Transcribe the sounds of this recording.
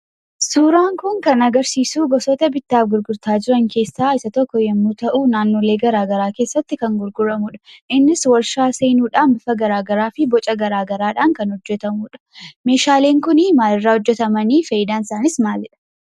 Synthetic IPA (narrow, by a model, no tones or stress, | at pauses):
suːɾaːŋkʊŋkɐnɐɡɐɾsiːsuːɡɔsɔt̪ɐbɪt̪ːaːfɡʊɾɡʊɾt̪aːd͡ʒɪɾɐŋkʰe̞ːsːaːɪsɐt̪ɔkːɔjɐmːuːt̪ɐʔuːnaːnːoːle̞ːɡɐɾaːɡɐɾaːke̞ːsːɐt̪ːɪkɐŋɡʊɾɡʊɾɐmʊᶑɐ̥ʔɪnːɪswɐɾʃaːseːnuːᶑaːnbɪfɐɡɐɾaːɡɐɾaːfɪbɔt͡ʃʼɐɡɐɾaːɡɐɾaːᶑaːŋkɐnhɔd͡ʒːɛt̪ɐmuːᶑɐ̥me̞ːʃaːle̞ːŋkʊnɪmaːlɪrːaːhɔd͡ʒːɛt̪ɐmɐniːfɐjɪd̪aːnɪsaːnɪsmaːlɪᶑɐ̥